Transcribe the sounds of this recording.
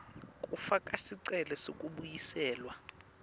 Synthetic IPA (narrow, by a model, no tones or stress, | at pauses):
kʼufakʼasiǀɛlɛsokʼuɓujisɛːlwa